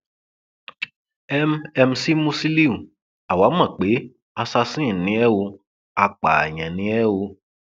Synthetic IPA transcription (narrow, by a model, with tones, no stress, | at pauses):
ɛ˦mɛ˧m̩˧si˦mũ˦si˦li˦ũ˨ | a˨wa˨˦mã˦˨k͡pe˨˦ | a˧sa˧sĩ˦˨nĩ˨˦ɛ˦wo˧ | a˧k͡pa˨a̰˨ɲã˨nĩ˨˦ɛ˦wo˧